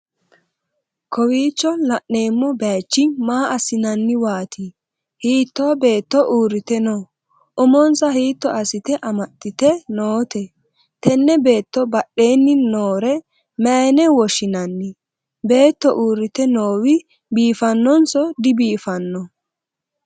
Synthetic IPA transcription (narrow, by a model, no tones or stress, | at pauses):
kʰɔwiːt͡ʃːɔlɐʔne̞ːmːɔbaːt͡ʃːɪnmaːʔɐsɪnɐnːɪwaːt̪i | hiːt̪ːoːbe̞ːt̪ːɔʔuːɾːɪt̪ɛnoː | ʔʊmɔnsɐɦiːt̪ːɔʔɐsɪt̪ɛʔɐmɐt̪ːɪt̪ɛnoːt̪ɛ | t̪ɛnːɛbe̞ːt̪ːɔbɐɗːe̞ːnːɪnːoːɾɛ | meːnɛwɔʃɪnɐnːɪ | be̞ːt̪ːɔʔuːɾːɪt̪ɛnoːwɪ | biːfɐnːɔnsɔd̪ɪbiːfɐnːɔ